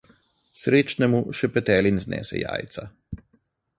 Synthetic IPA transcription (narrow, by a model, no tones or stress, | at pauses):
sɾeːt͡ʃnɛmuʃɛpɛt̪ɛːlinznɛ̰ːsɛ̰ja̰ːjt̪sa